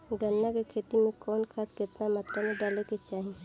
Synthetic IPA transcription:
ɡənːakekʰeːt̪imẽkɔːnkʰat̪kɪt̪namat̪ɾamẽɖaːleket͡ʃaːɦi

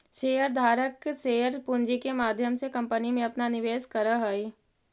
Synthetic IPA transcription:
seːəɾd̪ʱaːɾəkseːəɾpʊɲd͡ʒikemaːd̪ʱjəmsekɐ̃mpənimẽɐpnanɪʋeːskɐɾəɦəi

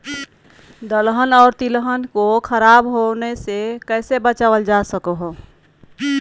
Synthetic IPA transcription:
d̪əlɦənɔːɾt̪ilɦənkokʰəɾaːbɦonesekɛːsebət͡ʃaːʋəld͡ʒasəkoɦo

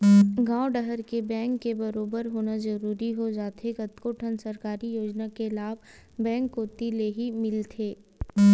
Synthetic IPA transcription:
ɡãːoɖəɦəɾkebɛ̃ːŋkːebɐɾoːbəɾɦoːnazɐɾuːɾiɦod͡ʒaːt̪eɡɐt̪koːʈʰənsɐɾkaːɾijoːd͡ʒnakelaːb | bɛ̃ːŋkːoːt̪ileɦimɪlt̪ʰeː

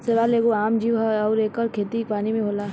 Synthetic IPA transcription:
seʋaːleːɡoaːmd͡ʒiːʋɦɔːɾeːkːəɾkʰeːt̪ipaːnimẽɦoːlaː

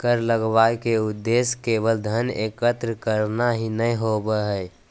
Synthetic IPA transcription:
kəɾləɡʋaekeʊd̪ːeskeʋəld̪ʱənḛkət̪ɾəkəɾnaɦinəiɦobəɦɛː

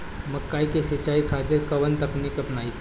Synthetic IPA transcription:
məkːaːikesit͡ʃaːikʰat̪ɪɾkɐʋənt̪əknikɐpnaːi

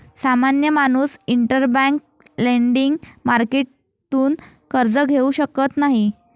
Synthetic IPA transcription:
samanjəmañuːsiɳʈəɾbãŋk̚ | leɳɖiŋɡmaɾkeʈ̚ | t̪uːn | kəɾd͡zəɡʱeuɕəkət̪naɦi

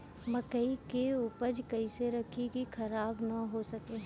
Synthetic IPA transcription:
mɐkəikeupəd͡ʒkɐiseɾɐkʰikixʰɐɾaːbnɐɦosɐkeː

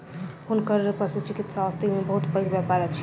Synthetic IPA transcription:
hunkəɾpɾəsut͡ʃikit̪saəst̪imebəɦut̪pəiɾbapaɾɛt͡ʃʰ

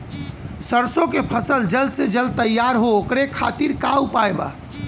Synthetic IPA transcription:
səɾsõkepʰəsəld͡ʒəlsed͡ʒəl̚t̪əjːaɾɦookɾekʰa̰t̪iɾkaupajba̰ː

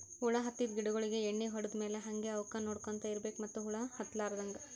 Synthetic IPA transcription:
huɭɐɦɐt̪ːid̪ɡiɽɐɡɐɭiɡeeɳːiɦɔɽɐd̪meːleɦɐŋɡeɐʋkɐnoːɽkont̪ɐiɾbe̞ːkumɐt̪ːuɦuɭɐhɐt̪ːlaːɾɐd̪ɐŋɡɐ

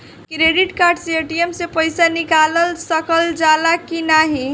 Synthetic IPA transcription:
kɾeɖiʈkaɾɖsieʈiemsepəjsanikaləlsəkəld͡ʒalakinaɦi

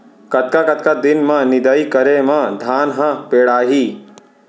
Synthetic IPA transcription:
kɐt̪̚kakɐt̪̚kad̪ɪnmãnɪd̪aːikɐɾemãd̪ʱaːnɦãpeːɽaːɦiː

